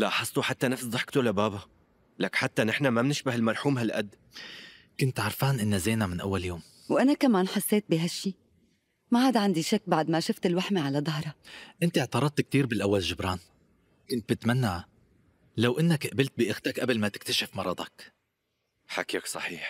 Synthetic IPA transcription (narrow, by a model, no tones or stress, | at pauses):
laħɑsˤt̪ˤuħat̪ːanafsd̪ˤɑħkt̪ulabaːba | lakħat̪ːanɪħnamabnɪʃbahɪlmɑɾˤħuːmɦalʔa̰d̪ː | kʊnt̪ʕɑɾˤfaːnʔɪnːazeːnamɪnʔa̰wːaljoːm | wʔanakamaːnħasːeːt̪̚biɦaʃːiː | mahaːd̪aʕand̪iʃakːbaʕd̪maʃʊft̪ɪlwaħmaʕalad̪ˤɑɦɾˤɑʔɪnt̪ɪʕt̪ɑɾˤɑd̪̚t̪k̚t̪iːɾbɪlʔawːalʒʊbɾˤɑːn | kʊnt̪̚bɪt̪manːaʕ | lawʔɪnːakʔabɪlt̪̚bɪʔɪxt̪akʔablmat̪ɪ̥k̚t̪aʃɪfmɑɾˤɑd̪ˤɑk | ħakiːksˤɑħiːħ